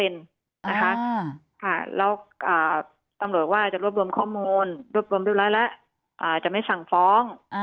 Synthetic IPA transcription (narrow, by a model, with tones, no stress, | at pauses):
e˧n | nna˦˥kʰa˦˥ | kʰa˥˩lɛ̰ː˦˥wʔaː˨˩ | t̪a˧mɾu˨˩ət̪̚waː˥˩t͡ɕa˨˩ʔɾu˥˩əp̚ɾu˧əmkʰɔː˥˩muː˧nɾu˥˩əp̚ɾu˧mdɾ̚lɔː˦˥˩lɛ˦˥ʔ | ʔaː˨˩t͡ɕa˨˩ma˥˩jfa˨˩ŋfɔː˦˥ŋ